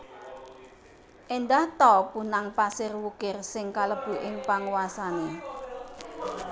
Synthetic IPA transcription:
ʔend̪aht̪ɔpunaŋpasɪrwukɪrsɪŋkaləb̥ṳʔɪŋpaŋwasane

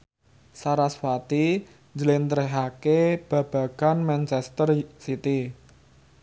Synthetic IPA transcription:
saɾaswat̪i | ɲd͡ʒəlɪnt̪əɾeɦakeb̥ä̤b̥ä̤kanmɛnt͡ʃɛst̪ərsit̪i

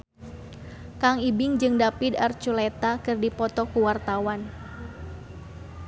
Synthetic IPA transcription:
kaŋibɪŋd͡ʒɨŋdapidart͡ʃulet̪akɨrdipɔt̪ɔkuwart̪awan

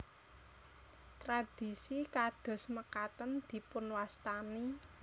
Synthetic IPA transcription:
t̪ɾad̪̥i̤sikad̪̥ɔ̤sməkat̪ənd̪̥i̤pʊnwast̪ani

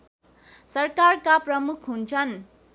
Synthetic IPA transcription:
sʌrkarkaprʌmukʰɦunt͡sʰʌn

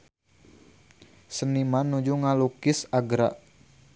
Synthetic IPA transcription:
sənimanːud͡ʒuŋalukɪsaɡɾa̰ʔ

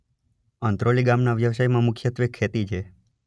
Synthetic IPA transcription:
ənt̪ɾoliɡamnaʋjəʋsajmãmʊkʰjət̪ʋekʰːet̪it͡ʃʰe

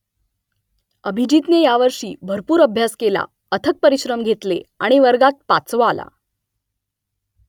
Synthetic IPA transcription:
əbʱid͡ʑit̪nejaʋəɾʂḭːbʱəɾpuːɾəbʱjaskela̰ | ət̪ʰək̚pəɾiɕɾəmɡʱet̪leaɽ̃iʋəɾɡat̪̚pat͡sʋəala̰

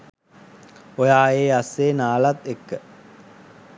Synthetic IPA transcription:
ojaːeːaseːnaːlat̪ekːə

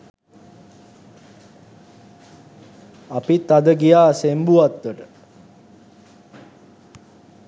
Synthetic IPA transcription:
apit̪ad̪əɡijaːsembuʋat̪ʋəʈə

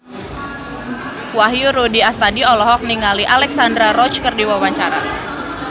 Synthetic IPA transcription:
waɦjuɾudiast̪adiɔlɔɦɔk̚niŋaliʔalɛksandɾaɾɔt͡ʃkərdiwawaɲt͡ʃaɾa

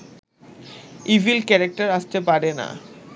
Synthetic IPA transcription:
ivʱilkɛɾak̚ʈaɾaʃt̪epaɾena̰

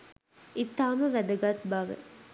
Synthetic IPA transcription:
ʔit̪ːaːməʋæd̪ɐɡɐt̪bɐʋə̰

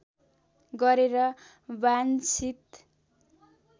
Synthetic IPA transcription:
ɡʌɾeɾʌ | bant͡sʰit̪

